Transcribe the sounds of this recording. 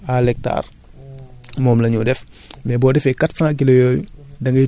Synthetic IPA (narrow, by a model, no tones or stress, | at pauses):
alɛk̚ta̰ːr | mɔːmlɐɲudɛf | mɛbɔːdɛfɛkatsãːk̬ilojoːjṵdɐŋɡɐ